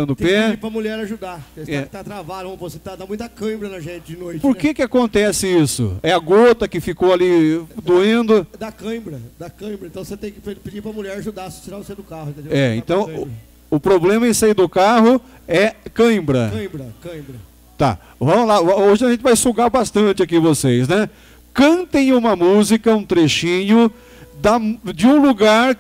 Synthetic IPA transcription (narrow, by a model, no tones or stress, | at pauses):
ɐ̃nd̪ʊpɛipɾɐmuʎɛɾaʒud̪aesɛkɪ̥t̪at̪ɾavad̪ɐɐ̃pɾoset̪ad̪amũj̃t̪ɐkɐ̃bɾɐnɐʒẽt͡ʃɪd͡ʒɪnojt͡ʃppoɾkekɪakõnt̪ɛsɪisʊ̰ɛɐɡot̪ɐkɪfikowalid̪uẽnd̪ʊd̪ɐkɐ̃bɾɐd̪ɐkɐ̃bɾɐ̃t̪ɐ̃w̃set̪ẽj̃kɪppɪd͡ʒipɾɐmuʎɛɾaʒud̪aɾɐse̥t͡ʃiɾaʊsejd̪ʊkahʊ̃ĩt̪ẽd̪ɛḛ̃nt̪ɐ̃w̃ | ʊpɾoblẽmɐẽsaid̪ʊkaɦʊ | ɛkɐ̃bɾɐɐ̃bɾɐkɐ̃bɾɐ | t̪a̰ | vɐ̃mʊlaoʒɪɐʒẽnt͡ʃɪvajsuɡaɾbast̪ɐ̃nt͡ʃɪakivosejsnɛ | kɐ̃nt̪ẽj̃ũmɐmuzikɐũt̪ɾeʃĩɲʊ | d̪ɐd͡ʒɪũluɡaɾ